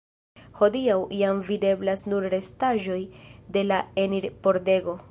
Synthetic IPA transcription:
ho̞diawiamvide̞blasnuɾɾe̞staʒo̞jde̞lae̞niɾpo̞ɾde̞ɡo̞

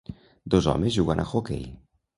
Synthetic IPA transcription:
d̪ozɔ̰mezʒuɣanʔa̰xokḛj

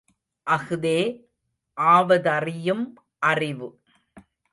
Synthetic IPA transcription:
ʔɐɣɯðeː | ʔaːʋɐðɐrɪjɯm | ʔɐrɪʋɯ

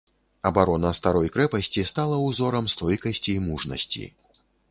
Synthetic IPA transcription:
ɐbaɾɔnɐst̪aɾɔjkɾɛpɐsʲt͡sʲist̪alˠɐwzɔɾɐmst̪ɔjkɐsʲt͡sʲiːmuʐnɐ̰sʲt͡sʲḭ

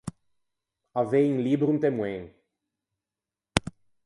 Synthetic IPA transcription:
aveĩŋlibɾũnt̪emwẽŋ

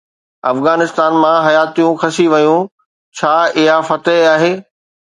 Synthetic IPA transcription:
ɐfɣaːnɪst̪aːnmãɦɐjaːt̪ijũxʰɐsiʋɐjũ | t͡ɕʰaːɪɦafɐt̪əɦaːɦeː

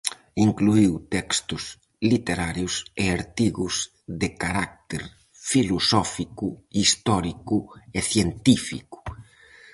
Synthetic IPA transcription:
iŋkluiwt̪ɛkst̪ʊs | lit̪eɾaɾjʊseaɾt̪iɣʊs | ðekaɾak̚t̪eɾ | filosɔfikʊist̪ɔɾikʊeθjent̪ifḭkʊ̥

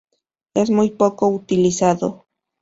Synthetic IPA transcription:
esmujpokout̪ilisaðo

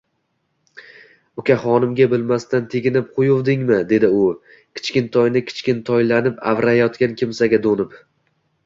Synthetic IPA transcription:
ʊkʲaχɒnɪmɡʲabɪlmast̪ant̪ʰeɡʲɪnɪp̚qʰojʊvd̪ɪŋmɪd̪e̞d̪ɪʊ | kʲʰɪ̥t͡ʃkʲɪnt̪ʰɒjnɪkʲʰɪ̥t͡ʃkʲɪnt̪ʰɒjlanɪpa̰vɾajɒt̪kʲankʲʰɪmsaɡʲad̪onɪp

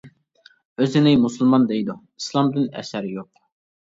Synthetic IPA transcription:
øzɪnɪmusɨlˠmɑnd̪ɛjd̪u | i̥slˠɑmd̪ɪnɛ̰sæɾjoq̚

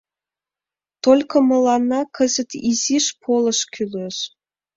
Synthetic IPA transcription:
t̪olʲkə̆mə̆lɑnːɑkʰə̆zə̆t̪iziʃpʰolə̆ʃkʰyløʃ

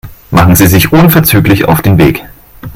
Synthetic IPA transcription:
maχn̩ziːzɪçʔʊnfɛɐt͡syːklɪça̰ʊfd̥eːnvḛːk

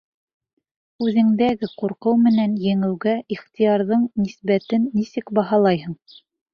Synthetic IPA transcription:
ʉðɘ̆ŋd̪æɡɘquɾqɤwmɘ̆nænjɘ̆ŋɘ̆wɡæʔiχt̪ijɑɾðɤɴnisbæt̪ɘnːisɘkbɑɦɑlˠɑjɦɤɴ

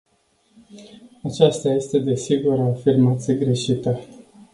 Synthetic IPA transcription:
at͡ʃast̪aje̞st̪e̞d̪e̞siɡuɾaːfirmat̪sijeɡɾe̞ʃit̪ə

